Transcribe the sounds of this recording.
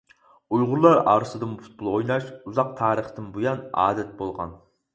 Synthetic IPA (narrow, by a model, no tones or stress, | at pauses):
ujʁʊɾlˠɑɾɑ̰ːɾɨsɨd̪ɨmpʰu̥t̪̚bulˠʁojnɑʃuzɑq̚t̪ʰɑːɾəχt̪ɨnbujɑnɑ̰ːd̪ɛt̪̚bolˠʁɑ̰n